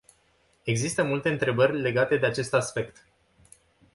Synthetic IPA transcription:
e̞ɡzist̪əmult̪e̞ɨnt̪ɾe̞bərʲle̞ɡat̪e̞d̪e̞at͡ʃe̞st̪aspe̞kt̪

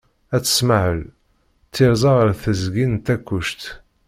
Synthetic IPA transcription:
æt͡sːə̥smaʕəl | t͡sːiɾzˤɑʁɾθəzɡint̪ːækːuʃt̪

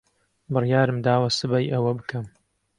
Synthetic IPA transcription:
bɨrjaːɾɨmd̪aːwɐsɨbɐjʔɐwɐbɨkʰɐm

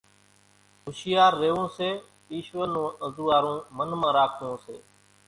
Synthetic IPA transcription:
ɦʊʃɪjaːɾːeːõːseː | iːʃʋənũːəzuːaːɾũːmənmãːɾaːkʰõːsḛː

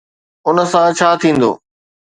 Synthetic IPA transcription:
ʊnə̆sãt͡ɕʰaːt̪ʰĩːn̆d̪o̰ː

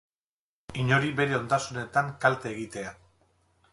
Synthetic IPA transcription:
iɲo̞ɾibe̞ɾe̞o̞nd̪asune̞t̪aŋkalt̪eːɣit̪e̞a

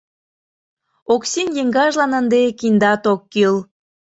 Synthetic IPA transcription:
oksinjeŋɡɑʒlɑnənd̪ekind̪ɑt̪okːil

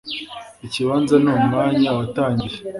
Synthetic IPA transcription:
iciβaːnzanuːmŋaːɲawataːɲɟiɾe

